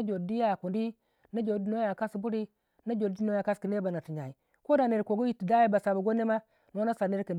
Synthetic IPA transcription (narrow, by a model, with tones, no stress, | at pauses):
a˦d͡ʒo˨di˦ja˦˨ku˨ndi˦ | na˦d͡ʒo˨di˨no˦ja˨ka˦sbu˦ɾi˦ | na˦d͡ʒo˨˦i˦o˦ja˨ka˦ski˨ne˦ba˨na˨ti˨ɲa˨i˨ | ko˦da˨ne˨ɾko˨ɡo˦i˦ti˨da˦ji˦ba˨sa˨ba˨ɡo˦ne˦ma˦ | n˨˦a˦na˦sa˨ne˦ɾkə˨n